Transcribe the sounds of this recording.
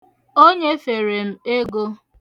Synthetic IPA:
o˦ɲe˦fe˨ɾe˨m̩˦e˦ɡo˦

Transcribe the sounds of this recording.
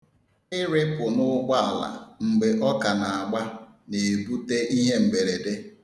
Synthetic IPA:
ɪ˦ɾɪ˦pʊ˨nʊ˦ɡ͡ba˦a˨la̰˨ŋ͡m̩˨ɡ͡be˨ʔɔ˦ka˨na˨a˨ɡ͡ba˦ | ne˨bu˦te˦ʔi˦ɦe˦m̩˨me˨ɾe˨de˦

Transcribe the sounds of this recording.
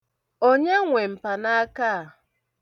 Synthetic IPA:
o˦ɲa˦ŋʷe˨m̩˨pa˨na˦a˦ka˦a˨

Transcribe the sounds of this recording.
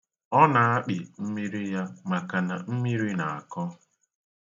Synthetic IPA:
ɔ˦na˨a˦k͡pi˨m̩˦mi˦ɾi˦ja˦ma˨ka˨na˨m̩˦mi˦ɾi˦na˨a˨kɔ˦

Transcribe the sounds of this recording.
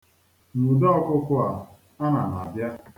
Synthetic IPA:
ŋu˨dɔ˦ɔ˦kʊ˦kʊ˦a˨ | a˦na˨na˨a˨bja˦

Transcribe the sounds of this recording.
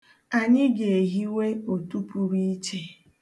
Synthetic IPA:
a˨ɲɪ˦ɡe˨e˨ɦi˦we˦o˨tu˦pu˦ɾi˦t͡ʃe˦

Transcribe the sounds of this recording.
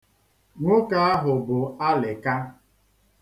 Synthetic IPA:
ŋʷʊ˦ka˦a˦ɦʊ˨bʊ˨a˦lɪ˨ka˦

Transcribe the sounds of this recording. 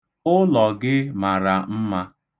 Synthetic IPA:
ʊ˦lɔ˨ɡɪ˦ma˨ɾa˨m̩˦ma˦

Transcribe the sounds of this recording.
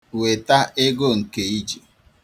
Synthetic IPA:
we˨ta˦ʔɪ˦ɡo˦ŋ̩˨ke˨i˦d͡ʒi˨

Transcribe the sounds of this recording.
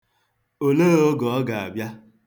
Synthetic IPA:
o˨ne˦o˦ɡɔ˨ɔ˦ɡa˨a̰˨bja˦

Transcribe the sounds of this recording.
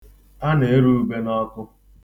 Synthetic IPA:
a˦ne˨e˦ɾu˦u˦be˦nɔ˦kʊ˦

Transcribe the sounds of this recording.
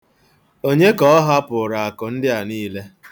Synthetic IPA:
o˦ɲe˦kɔ˨ɔ˦ɦa˦pʊ˨ɾa˨a˨kʊ˨n̩˦dɪ˦a˨niː˦le˦

